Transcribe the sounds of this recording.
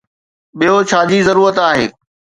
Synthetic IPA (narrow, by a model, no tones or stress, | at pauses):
ɓijot͡ɕʰaːd͡ʑizɐɾuːɾət̪aːɦeː